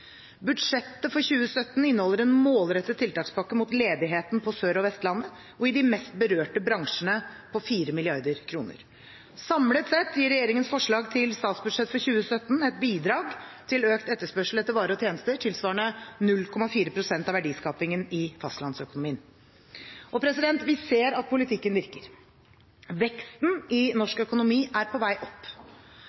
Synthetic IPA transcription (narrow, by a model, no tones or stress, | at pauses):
bʉd̪ʂɛt̪ːəfɔɾçʉːəsœt̪ːn̩ɪnːəhɔlːəɾɛnmoːlɾɛt̪ːət̪ʰːɪlt̪ʰɑːkspɑkːəmut̪leːd̪ɪɦeːt̪npʰɔsøːɾɔʋɛst̪lɑnːə | ɔɪd̪ɪmɛst̪̚bəɾøːʈəbɾɑŋʂənəpʰɔfiːɾəmɪlɪɑɾd̪əɾkʰɾuːnə̰ɾ | sɑmlət̪sɛt̪ʰːjiːɾɛjeːɾɪŋənsfɔʂɭɑːɡt̪ʰɪlst̪ɑːt̪sbʉd̪̥ʂɛt̪fɔɾçʉːəsœt̪ːnɛt̪̚biːd̪ɾɑːɡt̪ʰɪløːkt̪ɛt̪ːəʂpœʂl̩ɛt̪ːəɾʋɑːɾəɔt̪ʰjeːnəst̪əʈʰɪlsʋɑːəɳənʉlkʰɔmɑfiːɾəpʰɾʊsɛnt̪ɑʋæɖiːskɑːpɪŋənɪfɑst̪lɑnsœkʊnʊmiːən | ʔɔpʰɾɛsɪd̪ɛnt̪ʋɪseːɾɑt̪̚pʰʊlɪt̪ʰɪkːənʋɪɾkəɾ | ʋɛkst̪n̩ɪnɔʂkœkʊnʊmiːʔæɾpʰɔʋæɪʔɔpː